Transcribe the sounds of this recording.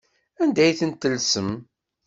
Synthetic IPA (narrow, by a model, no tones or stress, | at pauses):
ænd̪æjθənt̪ːəlsəm